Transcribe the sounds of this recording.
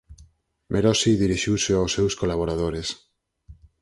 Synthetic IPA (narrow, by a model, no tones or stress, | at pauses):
mʔeɾɔsiðiɾiʃiwseawsːewskolaβ̞oɾað̞oɾes